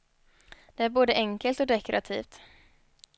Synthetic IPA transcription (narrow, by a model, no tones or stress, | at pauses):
d̪̥ɛæɾboːd̪əʔɛŋkəlt̪ɔd̪ɛkʰɾat̪ʰḭːft̪